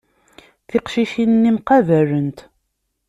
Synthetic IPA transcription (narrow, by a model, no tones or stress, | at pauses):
θɪqʃiʃinnːimqæværənt̪